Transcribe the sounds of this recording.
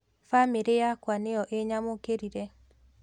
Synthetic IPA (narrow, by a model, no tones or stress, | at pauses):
famiɾejakwanejɔʔeɲamokeɾiɾe